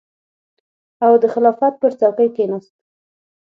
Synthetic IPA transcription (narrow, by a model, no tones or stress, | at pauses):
awd̪əxɪlɑfɑt̪̚pəɾt͡sawkəjkenɑst̪̚